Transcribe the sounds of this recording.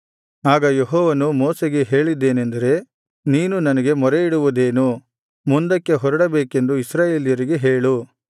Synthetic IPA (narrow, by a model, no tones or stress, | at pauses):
aːɡɐjeɦɔːʋɐnumoːseɡe̞ɦe̞ːɭid̪ːe̞ːne̞nd̪ɐɾe̞ | niːnunɐnɐɡe̞mɔɾeiɽuʋud̪e̞ːnu | mund̪ɐkːe̞ɦɔɾɐɽɐbeːke̞nd̪uisɾaːjeːlijɐɾiɡeɦeːɭu